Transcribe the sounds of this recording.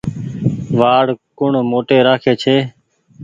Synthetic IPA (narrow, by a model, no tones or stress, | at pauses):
ʋaːɽkʊɳmoːʈeːɾaːkʰeːt͡ʃʰeː